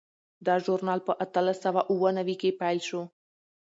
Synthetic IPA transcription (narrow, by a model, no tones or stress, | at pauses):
d̪ɑʒoɾnɑlpəʔat̪əlasawaʔuwənawikepajlʃo